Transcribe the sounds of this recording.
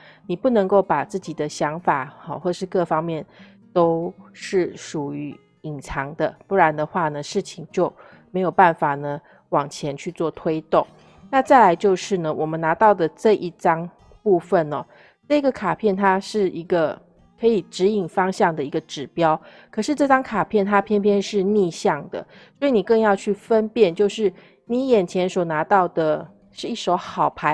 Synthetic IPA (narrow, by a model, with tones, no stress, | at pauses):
ni˨˩pu˥˩nə˧˥ŋko˥˩ʊpa˨˩t͡sɹ̩˥˩t͡ɕi˨˩d̪ə˦ɕjɑ˧˥ŋfa̰˨˩˧xwɔ˥˩ə˨ʂɻ̩˥˧kɤ˥˧fɑ˥ŋmjɛ˥˩n | t̪o˥ʊʂɻ̩˥˩ʂu˨˩y˧˦ | i˨˩ŋt͡sʰɑ˧˥ŋd̪ə˧pu˥˩ɻa˧˥nd̪ə˧xwa˥˩nə˩ʂɻ̩˥˩t͡ɕʰi˩ŋt͡ɕjo˥˩ʊ | me˧˥ɪjo˨˩ʊpa˥˩nfa˨˩nə˦ | wɑ˨˩ŋt͡ɕʰjɛ˧˥nt͡ɕʰy˥˧t͡swɔ˥˩t̪ʰwe˥ɪt̪ʊ˥˩ŋ | na˥˧t͡sa˥˩ɪla˧˥ɪt͡ɕjo˥˧ʊʂɻ̩˥˩nə˩wʔɔ˨˩mə˦na˧˥t̪ɑ˥˩ʊd̪ə˩ʈ͡ʂɤ˥˧ʔi˥˩ʈ͡ʂɑ˥ŋ | pu˥˧fə˨nɔ̰˨˩ | ʈ͡ʂɤ˥˩i˧˥ɡə˨kʰa˨˩pʰjɛ˥˩nt̪ʰa˥ʂɻ̩˥˩i˧˥ɡə˧ | kʰɤ˧˥i˨˩ʈ͡ʂɻ̩˧˥i˨˩ŋfɑ˥ŋɕjɑ˥˩ŋd̪ə˩i˧˦˥ɡə˧ʈ͡ʂɻ̩˨˩pjɑ˥ʊ | kʰɤ˨˩ʂɻ̩˥˧ʈ͡ʂɤ˥˧ʈ͡ʂɑ˥ŋkʰa˨˩pʰjɛ˥˩nt̪ʰa˥pʰjɛ˥˧npʰjɛ˥˧nʂɻ̩˥˧ni˥˧ɕjɑ˥˩ŋd̪ə̰˩swɔ˧˥i˨˧ni˨˩kɤ˥˧ŋjɑ˥˧ʊt͡ɕʰy˥˩fə˦npjɛ˥˧nt͡ɕjo˥˧ʊʂɻ̩˥˩ | ni˨˥jɛ˨˩nt͡ɕʰjɛ˧˥nswɔ˨˩na˧˥t̪ɑ˥˩ʊd̪ə˩ | ʂɻ̩˥˧i˥˩ʂo˧˥ʊxɑ˨˩ʊpʰa˧˦ɪ